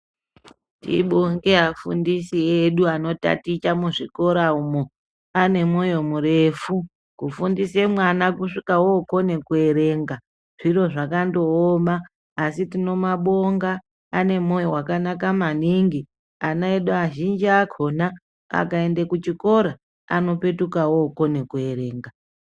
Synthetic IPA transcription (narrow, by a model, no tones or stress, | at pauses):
tḭɓoŋɡeafṵndisieɗuano̞ta̰tit͡ʃamuʐiko̞ɾaumo | ane̞mojo̞muɾe̞fu | kufundise̞mwanakuʂikawokone̞kue̞ɾe̞ŋɡa | ʐ̥iro̞ʐakando̞ːmaː | sitino̞maɓo̞ŋɡaː | ne̞mojowakanakamaniŋɡi | anaeɗuaʒind͡ʒiakʰo̞na | a̰kae̞ndekut͡ʃiko̞ɾa | a̰no̞pe̞tukawoko̞ne̞kue̞ɾe̞ːŋɡa